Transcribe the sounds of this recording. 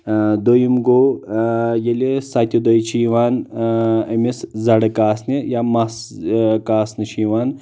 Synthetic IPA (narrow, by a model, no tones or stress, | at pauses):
d̪ojimɡoː | jelesat̪ʲod̪ojt͡ʃʰiːʋaːn | ɐmeszɐɽɐkaːsnejamaskaːsnɐʃiːʋaːn